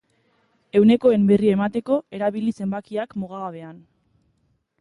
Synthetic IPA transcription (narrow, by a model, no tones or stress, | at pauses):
e̞wne̞ko̞e̞mbe̞riae̞mat̪e̞ko̞e̞ɾaβilise̞mbakiakmoɣ̞aɣaβe̞an